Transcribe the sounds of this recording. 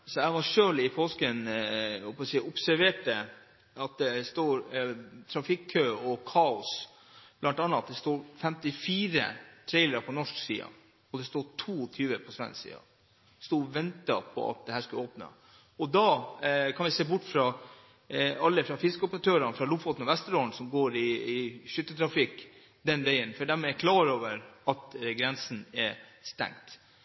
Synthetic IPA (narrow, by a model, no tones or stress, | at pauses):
sɔɛʋɑʂøːlɪpʰoːskənɔpɔsiːʔʊpsæɾʋeːʈːə | ɑt̪̚d̪ɛst̪oːɾt̪ʰɾɑfɪkʰːøːɔkʰɑːʊs | b̥lɑnt̪ɑnːɑt̪̚d̪ɛst̪uːɾfɛmt̪ɪfiːɾə̰t̪ʰɾɛɪləɾɑpʰɔnɔʂksḭːɑ̰ | ɔd̪ɛst̪uːʈʰuːɔt̪ʰyːʋəpʰɔsʋɛ̰nssḭːɑ̰ | st̪oːʋɛnt̪ɑpʰɔ̰ɑ̰t̪̚d̪ɛhæːʂkʉoːpnə̰ | ɔd̪ɑːkʰɑnʋɪseːbʊʈːfɾɑ | ɑlːəfɾɑfɪskəɔpəɾɑt̪ʰøːɾɑnfɾɑlʊfɑt̪nɔʋɛst̪əɾoːnsɔmɡoːɾɪːʃʏt̪ːət̪ʰɾɑfɪk | d̪ɛnʋæɪənfɔɖæɾmɛːɾkʰlɑːɾoːʋəɾɑt̪ɡɾɛnsn̩ɛɾst̪ɛ̰ŋt̪